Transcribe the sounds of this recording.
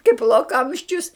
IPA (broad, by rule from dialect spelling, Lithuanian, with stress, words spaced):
kɐɪp lˠoːˈkɐmʲʃʲt͡ʃʲʊs